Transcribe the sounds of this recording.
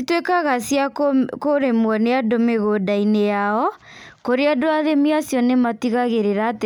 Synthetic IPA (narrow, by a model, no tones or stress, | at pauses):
itwekaɣasjakkoɾemwɔneadomeɣodainejaɔ | koɾeadoaðemiasjɔnematiɣaɣeɾeɾat